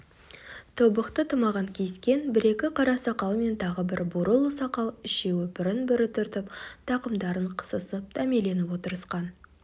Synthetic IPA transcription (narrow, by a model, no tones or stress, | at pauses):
t̪ʰobəqt̪ət̪ʰəmɑʁɑŋkʲʰe̞skʲe̞nbɪɾe̞kʲɪqʰɑɾɑsɑqɑlˠme̞nt̪ʰɑʁəbɪɾbʊɾəlˠəsɑqɑlˠɪʃe̞wɵpɪɾɪnbɪɾɪt̪ʰʏɾt̪ɪpt̪ʰɑqəmd̪ɑɾəɴqʰə̥səsəp̚t̪ʰæme̞le̞nɪpwo̞t̪əɾəsqɑn